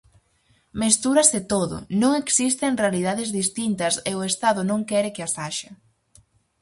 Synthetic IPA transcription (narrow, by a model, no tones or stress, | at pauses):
mest̪uɾɐsɪt̪oðʊ̰nõŋeksist̪eŋrealið̞aðɪzðist̪int̪ɐsɪʊest̪aðʊnõŋkɛɾɪkɪasaʃɐ